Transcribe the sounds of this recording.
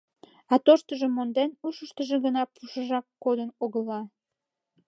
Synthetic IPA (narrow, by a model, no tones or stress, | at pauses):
ɑt̪oʃt̪əʒəmːond̪enuʃəʃt̪əʒeɣənɑpuʃəʒɑkːod̪ənoɣəlɑ